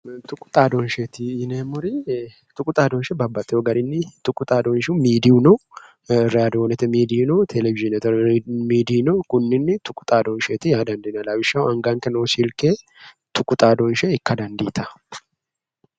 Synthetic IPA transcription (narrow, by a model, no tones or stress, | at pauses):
t̪ʊkʼʊ̥t̪ʼaːd̪ɔnʃet̪ɪːnemʊɾi | t̪ʊkʼʊt̪ʼaːd̪ɔnʃɛbɐbːɐt̪ʼɪjɔɡɐɾɪnːɪt̪ʊkʼːʊt̪ʼaːd̪ɔnʃmiːd̪ɪunɔ | ɾɛad̪oːnɛt̪ɛmiːd̪inɔt̪ʰɛlɛvɪʒɪnɛt̪ɛmiːd̪iːnɔkʊnːɪnːɪt̪ʊkʼːʊ̥t̪ʼaːd̪ɔnʃeːt̪ɪjaːd̪ɐnd̪ɪnɐlawɪʃːɐwɐŋɡaŋkɛnoːsiːlkeː | t̪ʊkʼʊt̪ʼaːd̪ɔnʃɛɪkːɐd̪ɐnd̪iːt̪ɐ